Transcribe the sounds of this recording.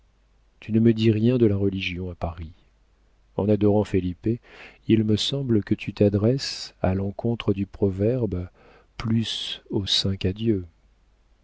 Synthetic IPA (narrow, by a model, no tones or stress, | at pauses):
t̪ynəməd̪iʁjɛ̃d̪əlaʁəliʒjɔ̃apaʁi | ɑ̰̃nad̪ɔʁɑ̃felipeilməsɑ̃blkət̪ʰyt̪ad̪ʁɛsa̰lɑ̃kʰɔ̃t̪χəd̪ypχɔvɛʁb | plysosɛ̃kad̪jø